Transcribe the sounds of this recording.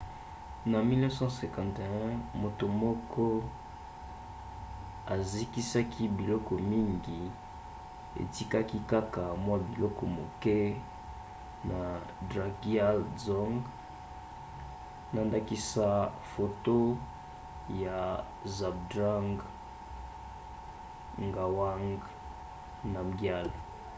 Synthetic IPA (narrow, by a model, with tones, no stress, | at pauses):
na˨mi˦lɛ̃˦sã˦sɛ̃˨kã˨nte˨ɛ̃˦mo˨to˨mɔ˦kʰɔ˦ | a˨zi˦ki˦sa˦kʰi˦bi˨lɔ˦kɔ˨mi˦ŋɡi˨ | ḛ˨ti˦ka˦ki˦ka˦ka˨mwa˦bi˨lɔ˦kɔ˨mo̰˨kɛ˦ | na˨ | dʁa˨ɡja˦lzɔ˦ŋɡ | na˨nda˦ki˦sa˦ | fo˨to˦ | ja˨ | za˨b̚dʁa˦ŋɡ | ŋɡa˨wa˦ŋɡ | na˨ɡja˦˨l